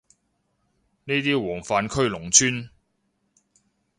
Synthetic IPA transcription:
niː˥t̪iː˥wɔː˨˩ŋfaː˨˧nkʰɵ˥ɥlʊ˨˩ŋt͡sʰyː˥n

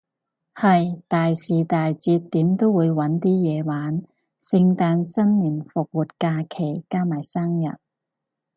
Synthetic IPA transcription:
hɐ˨jt̪aː˨jsiː˨t̪aː˨jt͡siː˧t̪̚ːiː˨˥mt̪o˥wwuː˨˧jwɐ˨˥nt̪iː˥jɛː˨˧waː˨˥n | sɪ˧ŋt̪aː˧nsɐ˥nliː˨˩nfʊ˨k̚wuː˨t̚kaː˧kʰe˨˩jkaː˥maː˨˩jsaː˥ŋjɐ̰˨˩t̚

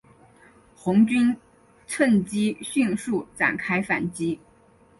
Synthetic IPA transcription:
xʊ˧˥ŋt͡ɕy˥n | t͡sʰwə˥˩nt͡ɕi˥ɕy˥˧nʂu˥˩ʈ͡ʂa̰˨˩nkʰa˥ɪfa˨˩nt͡ɕi˥

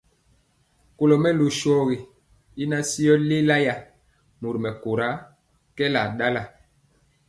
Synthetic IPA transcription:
ko˨lɔ˨mɛ˦lo˨ʃɔ˦ɣi˨ | i˦na˦si˦jɔ˦le˦la˦ja˨ | mu˨ɾi˨mɛ˨ko˨ɾa˦ | kɛ˦la˨ɗa˦la˨

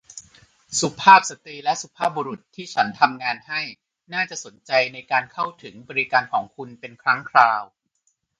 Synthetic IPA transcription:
su˨˩pʰaː˥˩p̚sa˧t̪ɾiː˧lɛ˦˥ʔsu˧˩pʰaː˥˩p̚buː˧ɾu˨˩t̪ʰːiː˥˩t͡ɕʰa˦˥nt̪ʰa˧mŋaː˧nha˥˩j | naː˥˩t͡ɕa˨˩so˩˦nt͡ɕa˧jna˧jkaː˧nkʰa˥˩wt̪ʰɯ˩˦ŋbɔː˧ɾi˧kaː˧nkʰɔː˩˦ŋkʰu˧npe˧nkʰɾa˦˥ŋkʰɾaː˧w

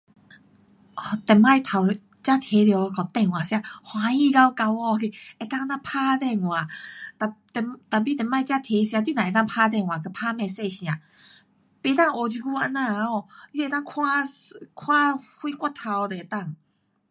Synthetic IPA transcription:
t̪ɛ˨˩mã˥˧˨jt̪ʰa˨˩w | t͡ɕja˦˥t̪ʰe˨˦ljo˧˩˧ka˨˩t̪ɛ˧˨ŋw̃ã˨ɕjã˧˩hwã˧i˧˨ka˧˦wka˧wɔ˧ki˧˩e˨t̪a˥˨ŋ˧nã˧pʰaː˦˧t̪ɛ˥˧˨ŋwã˨˩t̪a˨t̪ɛ˨˩t̪a˨˩bi˦t̪ɛ˨˩mã˥˧˨jt͡ɕja˦˥t̪ʰe˨˧˦ɕjã˧t̪i˧˦nã˨e˨˩t̪a˥˧ŋpʰa˦˧t̪̬ɛ˥˧˨ŋwã˨˩kə˧˩pʰaː˦mɛ̃˧˨se˥˧ɕj̃ã˨ | pe˧t̪a˥˩˨ŋo˨˧d͡ʑi˧ku˧˦a˧nã˧˨a˧˦ɔ˧˩i˧˨˧t̪a˥˧˨kʰwã˦˧kʰw̃ã˦˥hwi˦kwa˧˥˧t̪ʰːa˧wt̪e˨e˨˩t̪a˥˩˨ŋ

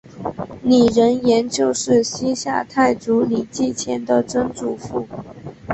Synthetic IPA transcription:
ni˨˩ɻə˧˥njɛ˧˥nt͡ɕjo˥˧ʊʂɻ̩˥˩ɕi˥ɕja̰˥˧t̪ʰa˥˩ɪt͡su˧˥li˨˩t͡ɕi˥˩t͡ɕʰjɛ˧˥nd̪ə˨ʈ͡ʂə˥ŋʈ͡ʂu˨˩fu˧˩˦

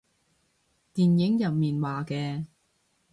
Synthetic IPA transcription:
t̪iː˨njɪ˨˥ŋjɐ˨p̚miː˨nwaː˨˩kɛː˧

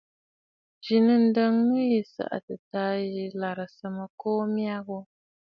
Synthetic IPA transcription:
d͡ʒi˨nɨ˦n̩˦də˦ŋːɨ˦ji˨sa̰˨ʔa̰˨tɨ˨taː˦ji˨la˨ɾɨ˨sɨ˨mɨ˨koː˦mja˦ɣʊ˦

